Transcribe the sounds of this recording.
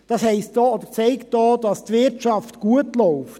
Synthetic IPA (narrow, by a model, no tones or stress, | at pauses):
d̥ɑshɛɪstd̥ɔːod̥əɾt͡sɛɪkt̚d̥ɔːdɑstvɪtt͡ʃɑftɡ̥uətloʊft